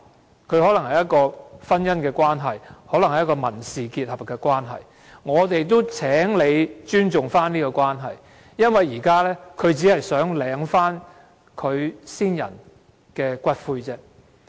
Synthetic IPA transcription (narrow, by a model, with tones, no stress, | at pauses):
kʰɵ˨˧ɥɦɔː˨˥lɐ˨˩ŋhɐ˨˩jɐ˥t̚kɔː˧fɐ˥njɐ˥nkɛː˧kʷaː˥nɦɐ˨˩jhɔː˨˥lɐ˨˩ŋhɐ˨jɐ˥kɔː˧mɐ˨˩nsiː˨kiː˧t̚hɐ˨p̚kɛː˧kwaː˥nɦɐ̰˨˩j | ŋɔː˨˧t̪e˨jt̪̬o˥wt͡sʰɛː˨˥ŋle˨˧jt͡ʃyː˥nt͡sʊ˨ŋfaː˥niː˥kɔ˧kʷwaː˥nɦɐ˨j | jɐ˥nwɐ˨jːiː˨˩kaː˥lɛː˥kʰɵ˨˧ɥt͡siː˨˥hɐ˨jsœː˨˥ŋlɛː˨˥ŋfaː˥n | kʰɵ˨˧ɥsiː˥njɐ̰˨˩n | kɛː˧kʷɐ˥t̚fuː˧jt͡sɛː˥